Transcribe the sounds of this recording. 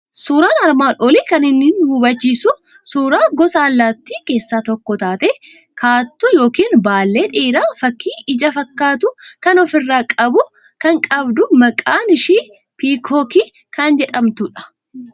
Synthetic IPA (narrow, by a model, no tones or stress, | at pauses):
suːɾaːnɐɾmaːnʔɔliːkɐnɪnːiːnhuːbɐt͡ʃːiːsʊ | suːɾaːɡɔsaːlːaːt̪ːike̞ːsːaːt̪ɔkːɔt̪aːt̪e | kʰaːt̪ːʊjo̞ːkiːnbaːlːe̞ːᶑiːɾaːfɐkːiːɪd͡ʒɐfɐkːaːt̪ʊkɐnɔfɪrːaːkʼɐbʊ | kɐŋkʼɐbd̪ʊmɐkʼaːnɪʃiː | piːkʰoːki | kɐnd͡ʒɛᶑɐmt̪ʊᶑɐ̥